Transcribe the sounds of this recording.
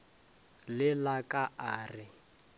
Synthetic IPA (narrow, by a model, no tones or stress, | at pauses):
lɪlakʼaʔaːrɪ